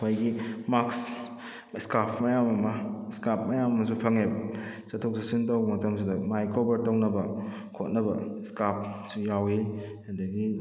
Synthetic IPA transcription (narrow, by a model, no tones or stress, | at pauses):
kʰojɡimaks | skapʰmɐjamɐmɐskap̚ʰmɐjamɐmɐsupʰɐŋebɐ | sɐtʰok̚sasintawbɐmɐtɐmsidɐmajkobɐɾtawnɐbɐ | kʰot̚nɐbɐskap̚ʰsujawi | hadɐɡi